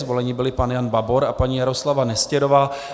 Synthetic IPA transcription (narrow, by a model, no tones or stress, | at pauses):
zvo̞lɛɲiːbɪlɪpanjanbabo̞ɾapaɲiːjaɾo̞slavanɛscɛɾo̞vaː